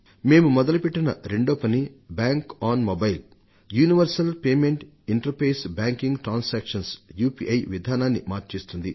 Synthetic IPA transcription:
me̞ːmumɔd̪ɐlɐpeʈːɐnɐ̰ɾeɳɖoːpɐnibaːŋkaːnmobɐjl | juːniʋɐɾsɐlpeːmeɳʈ | iɳʈɐɾpeːsbaːŋkiŋɡʈɾaːnsaːkʂɐnsjuːpiʔɐjʋid̪ʱaːnaːnːimaːɾt͡ʃeːst̪und̪i

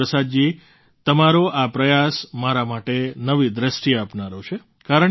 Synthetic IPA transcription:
əsad̪̚d͡ʒi | t̪əmaɾoʔapɾəjasmaɾamaʈenəʋid̪ɾəʃʈiapnaɾot͡ʃʰe | kaɾə

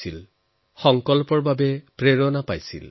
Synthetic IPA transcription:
il | xɔŋkɔlpɔɹbabɛpɹeɹɔnapajsḭl

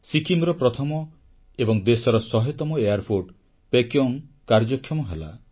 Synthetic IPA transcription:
sikʰimɾɔpɾɔt̪ʰɔmɔ | ebɔŋd̪esɔɾɔsɔɦet̪ɔmɔeaɾpʰoɾɖ | pekjoŋ | kaɾd͡ʒɔkʰːjɔmɔɦela

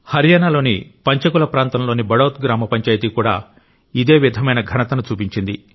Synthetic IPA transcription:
hɐɾjaːnalo̞ːnipɐɲt͡ʃɐkulɐpɾaːnt̪ɐmlo̞ːnibɐɽoːt̪̚ɡɾaːmɐpɐɲt͡ʃaːjt̪ikuːɽa̰ː | id̪e̞ːʋid̪ʱɐmɐjnɐɡʱɐnɐt̪ɐnut͡ʃuːpiɲt͡ʃind̪i

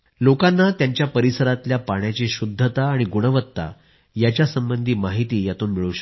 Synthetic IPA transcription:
lokanːat̪jaɲt͡ɕjapəɾisəɾat̪ljapaɳjat͡ɕiɕud̪ʱːət̪aːɽ̃iɡuɽ̃əʋət̪ːa̰ | jat͡ɕjasəmbənd̪ʱiːmaɦit̪iːjat̪uːnmiɭuɕə̥

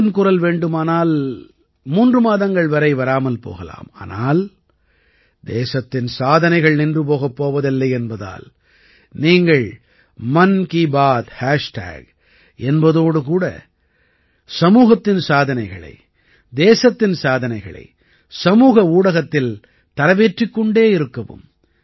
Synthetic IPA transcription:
nkʊrɐlʋeːɳɖɯmaːnaːl | muːndrɯmaːðɐŋɡɐɭʋɐɾɐɪʋɐɾaːmɐlpo̰ːɣɐla̰ːma̰ːna̰ːl | d̪eːsɐt̪ːɪnsaːðɐnɐɪɣɐɭnɪndrɯp̬oːɣɐpːoːʋɐðɪlːɐɪɛnbɐða̰ːl | niːŋɡɐɭ | mɐnkiːbaːt̪haːʂʈa̰ːɡ | ɛnbɐðoːɽɯk̬uːɽɐ̰ | sɐmuːɣɐt̪ːɪnsaːðɐnɐɪɣɐɭɐ̰ɪ | d̪eːsɐt̪ːɪnsaːðɐnɐɪɣɐ̰ɭɐ̰ɪ | sɐmuːɣɐuːɽɐɣɐt̪ːɪl | t̪ɐɾɐʋeːʈrɪkːɔɳɖeːɪɾɯkːɐʋɯ̰m

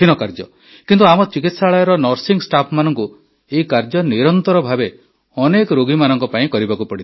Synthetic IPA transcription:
inɔkaɾd͡ʒɔ̰ | kint̪uamɔt͡ʃikit̪saɭajɔɾɔnɔɾsiŋsʈapʰmanɔŋku | eikaɾd͡ʒɔniɾɔnt̪ɔɾɔbʱabe | ɔnekɔɾoɡimanɔŋkɔpaĩkɔɾibakupɔɽit̪

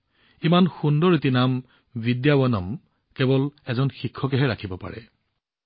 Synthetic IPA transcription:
imanxundɔɹitinam | bidjabɔnɔm | kɛbɔlɛzɔnxikʰːɔkɛɦɛɹakʰibɔpa̰ɹɛ̰

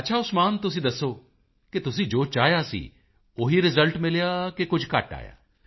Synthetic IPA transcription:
ɐtːʃʰaːʊsmaːnt̪ʊs̬ĩːd̪əsːoː | ket̪ʊsĩːd͡ʒoːt͡ʃaːjaːsḭː | oːɦiːɾɪzəlʈmɪljaːkekʊd͡ʒʱkɐ̰ʈa̰ːja̰ː

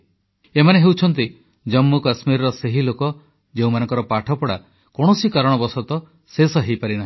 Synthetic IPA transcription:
emaneɦewt͡ʃʰɔnt̪i | d͡ʒɔmːukasmiɾɔɾɔseɦilokɔ | d͡ʒeũmanɔ̃ŋkɔɾɔpaʈʰɔpɔɽa | kɔɽ̃ɔsikaɾɔɽ̃ɔbɔsɔt̪ɔ | sesɔɦejpaɾinaɦĩ

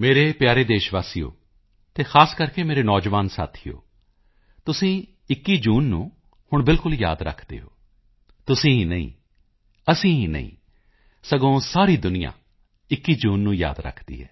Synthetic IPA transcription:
meːɾeːpjaːɾeːd̪eːʃʋaːsijo̰ː | t̪eːxʰaːskəɾkeːmeːɾeːnɔːd͡ʒʋaːnsa̰ːt̪ʰijo̰ː | t̪ʊsĩː | ɪkːiːd͡ʒuːnːũː | hʊɳbɪlkʊlja̰ːd̪ɾə̰kʰd̪ḛːɦoː | t̪ʊsĩːɦiːnəḭ̃ː | əsĩːɦiːnə̰ḭ̃ː | səɡõːsaːɾiːd̪ʊnɪjã̰ː | ɪkːiːd͡ʒuːnːũːja̰ːd̪ɾə̰kʰd̪ḭːɦɛ̰ː

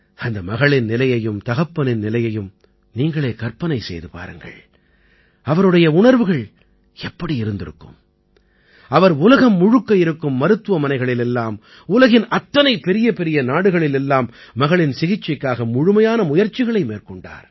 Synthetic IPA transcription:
ɐnd̪ɐmɐɣɐɭɪnnɪlɐjɐjɯmt̪ɐɣɐpːɐnɪnnɪlɐjɐjɯm | niːŋɡɐɭeːkɐɾpɐnɐɪsɛ̰jðɯpa̰ːɾɯŋɡɐ̰ɭ | ɐʋɐɾɯɽɐjɐʊɳɐɾʋɯɣɐɭ | ɛpːɐɽiɪɾɯnd̪ɪɾɯ̰kːɯ̰m | ɐʋɐɾʊlɐɣɐmːʊɻʊkːɐjɪɾɯkːɯmːɐɾɯt̪ːɯʋɐmɐnɐɪɣɐɭɪlɛlːaːm | ʊlɐɣɪnʔɐt̪ːɐnɐɪpɛɾɪjɐpɛɾɪjɐnaːɽɯɣɐɭɪlɛlːaːmːɐɣɐɭɪnsɪɣɪt͡ʃːɐkːaːɣɐmʊɻʊmɐjaːnɐmʊjɐɾt͡ʃːɪɣɐɭɐɪmeːrkɔɳɖa̰ːɾ

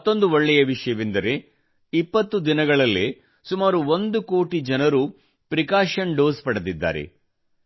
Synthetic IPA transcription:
ɐt̪ːo̞nd̪uʋɔɭːɛjɐʋiʂɐjɐʋind̪ɐɾe̞ | ipːɐt̪ːud̪inɐɡɐɭɐlːḛ | sumaːɾuond̪uko̞ːʈid͡ʒɐnɐɾu | pɾikaːʃɐɳɖoːspɐɽɐd̪id̪ːa̰ːɾe̞̰

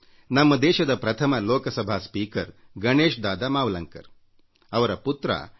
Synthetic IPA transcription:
nɐmːɐd̪eːʃɐd̪ɐpɾɐt̪ʰɐmɐloːkɐsɐbʱaːspiːkɐɾ | ɡɐɳeːʃd̪aːd̪aːmaːʋlɐŋkɐ̰ɾ | ɐʋɐɾɐput̪ɾɐ̰

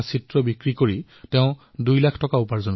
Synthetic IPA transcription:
sitɹɔbikɹikoɹi | tɛʊ̃ | dujlakʰtɔkaʊpaɹzɔn

